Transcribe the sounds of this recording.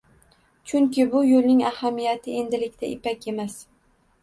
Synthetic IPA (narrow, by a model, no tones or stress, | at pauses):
t͡ʃʰʊŋkʲɪbʊjolˠnɪŋahamːijat̪ʰɪe̞nd̪ɪlɪkʲt̪ʰa̰ʔɪpakʲe̞mas